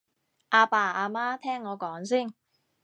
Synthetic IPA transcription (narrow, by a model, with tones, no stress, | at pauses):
ʔaː˧paː˧˩aː˧maː˥t̪ʰɛː˥ŋːɔː˨˧kɔː˨˥ŋsiː˥˩n